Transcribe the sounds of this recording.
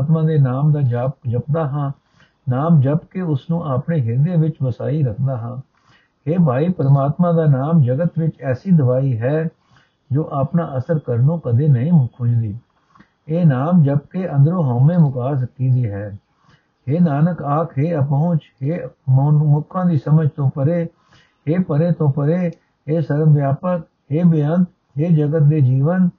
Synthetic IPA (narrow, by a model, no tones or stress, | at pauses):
t̪mãːd̪eːnaːmd̪aːd͡ʒaːpd͡ʒəpd̪aːɦãː | naːmd͡ʒəbkeʊsnũːʔaːpneːɦɪɾd̪eːʋɪt͡ʃʋəsa̰ːiːɾəkʰd̪aːɦãː | heːbʱaːiːpəɾmaːt̪mãːd̪aːnaːmd͡ʒəɡət̪ʋɪt͡ʃɛːsiːd̪əʋaːiːɦɛː | d͡ʒoːʔaːpnaːʔəsəɾkəɾnõːkəd̪eːnəɦĩːmʊkʰʊd͡ʒd̪iː | eːnaːmd͡ʒəb̚keːʔə̃nd̪ɾõːɦoːmẽːmʊkaːsəkiːd̪iːɦɛː | heːnaːnəkaːkʰɦeːəp̬õʊt͡ʃheː | mʊkʰːãːd̪iːsəməd͡ʒt̪õːpəɾeː | ɦeːpəɾeːt̪õːpəɾeː | ɦeːsəɾʋjaːpək | ɦeːbɪjənt̪ | ɦeːd͡ʒəɡət̪̚d̪eːd͡ʒiːʋən